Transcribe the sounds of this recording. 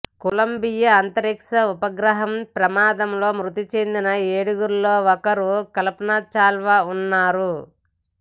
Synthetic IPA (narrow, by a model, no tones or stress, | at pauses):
kulɐmbijɐːnt̪ɐɾikʂɐupɐɡɾɐɦɐmpɾɐmaːd̪ɐmlo̞ːmɾut̪it͡ʃe̞nd̪inɐeːɽuɡuɾulo̞ːɔkɐɾukɐlɐpɐnaːt͡ʃaːlʋaunːaːɾu